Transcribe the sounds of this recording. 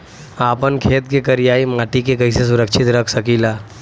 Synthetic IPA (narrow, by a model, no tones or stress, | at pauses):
aːpənkʰeːt̪̚kekɐɾɪjaːimaːʈikekɐises̬ʊɾəkʃʰɪt̪ɾɐkʰsɐkiːlaː